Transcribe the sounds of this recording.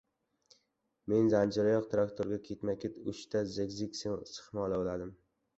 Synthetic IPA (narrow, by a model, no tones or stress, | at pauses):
me̞nzand͡ʒɪɾajɒqt̪ʰɾakt̪ʰoɾɡʲakʲʰe̞t̪makʲet̪ʊʃt̪ʰazekzikʲsesɨ̥χmɒlˠaolad̪ɪm